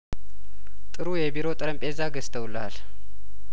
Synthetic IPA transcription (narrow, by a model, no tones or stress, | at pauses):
t̪ʼɨɾujɛbiɾo̞t̪ʼɨɾəmpʼezaɡəst̪ʰəwlal